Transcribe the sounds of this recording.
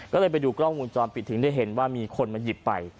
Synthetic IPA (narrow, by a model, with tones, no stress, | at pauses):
kɔː˥˩lɤː˧jpa˧jduː˧kɾɔː˥˩mmuː˧nt͡ɕɔː˧npʰi˨˩t̪ʰːɯ˩˦ŋdu˥˩jɦe˩˦nwaː˥˩miː˧kʰo˧nma˧ji˨˩pːa̰˧j